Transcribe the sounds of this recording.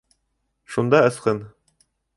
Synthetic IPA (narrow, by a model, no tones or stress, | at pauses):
ʃund̪ɑɤ̆sqɤn